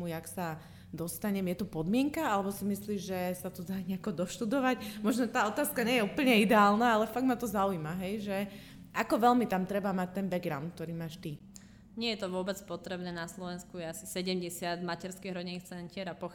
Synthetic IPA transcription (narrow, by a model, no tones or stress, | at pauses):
uaksa | d̪ɔst̪aɲɛmjɛt̪ɔpɔd̪mɪɛŋkaalɛbɔsimisliːʒɛsat̪ɔd̪aɲɪakɔd̪ɔʃt̪ud̪ɔʋacmɔʒnɔt̪aːɔt̪aːskaɲɛjɛupl̩ɲɛid̪ɛaːlnaalɛfaɡmat̪ɔzaujimaɦɛjʒɛ | ʔakɔʋɛlmit̪amt̪ɾɛbamac̚t̪ɛnbɛɡɡɾaʊnt̪k̚t̪ɔɾiːmaːʃt̪i | ɲɪɛjɛt̪ɔʋʊɔbɛt͡spɔt̪ɾɛbnɛːnaslɔʋɛnskujɛasi̥sɛɟɛmɟɛsɪad̪macɛɾskiɦɾɔɟɛnixt͡sɛncɪɛɾapɔ